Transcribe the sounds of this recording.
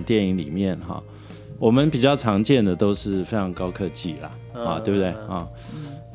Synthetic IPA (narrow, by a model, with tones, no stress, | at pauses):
t̪jɛ˥˩ni˧˥ŋlḭ˨˩mjɛ˥˨˩nxɑ̰˨˩ | wɔ˨˩mə˦npi˨˩t͡ɕjɑ˥˩ʊʈ͡ʂʰɑ˧˥ŋt͡ɕjɛ˥˩nd̪ə˩t̪o˥ʊʂɻ̩˥˩fe˥ɪʈ͡ʂʰɑ˧˥ŋkɑ˥ʊkʰɤ˥˩t͡ɕi˥˩lɐ̰˨˩ | ɑ̰˥˧t̪we˥˩bt̪e˥˩ɪhɑ˥˨˩